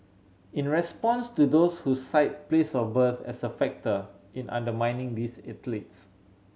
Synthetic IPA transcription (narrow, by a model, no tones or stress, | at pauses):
ĩnɹɛspɔ̃nstudoshusaɪt̚plesɔbəθɛ̰səfɛk̚tə | ĩnʔã̰ndəmãjnɪ̃ŋdisɛtlits